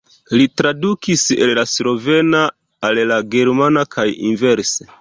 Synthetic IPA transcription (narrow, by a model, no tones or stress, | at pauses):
litɾadukisḛllaslo̞ve̞naː | llaɡe̞ɾmanakʰajḭnve̞ɾse